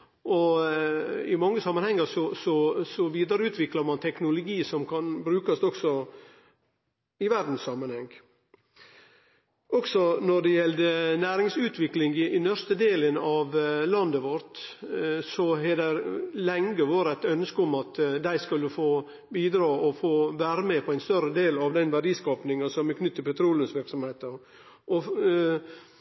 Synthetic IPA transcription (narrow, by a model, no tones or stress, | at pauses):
ɔ | ɪmɑŋːəsɑmːənhɛŋːəɾsɔsɔsɔʋiːd̪əɾəʉːt̪ʰʋɪklɑɾmɑnt̪ʰɛknʊlʊɡiːsɔmkʰɑnbɾʉːkɑst̪ɔɡ̥sɔ | ɪʋæɾd̪n̩ssɑmənhɛŋɡ | ʔɔɡsɔnɔɖɛjɛld̪ənæːɾɪŋsʉːt̪ʰʋɪklɪŋɡɪnœɾst̪əd̪eːlənɑʋlɑnd̪əʋɔɾt̪ | sɔɦɛd̪æɾlɛŋɡəʋoːɾæɪt̪œnəskəʊmɑt̪d̪æɪskʉlːəfoː | biːd̪ɾɑːɔfoːʋæːɾəmɛpʰɔæɪnst̪œɾəd̪eːlɑʋd̪ɛnʋæɖiːskɑːpnɪŋɑsɔmɛkʰnʏt̪ːəpʰɛt̪ʰɾuːlənsʋɪɾksɔmheːt̪əɾ | ʔɔ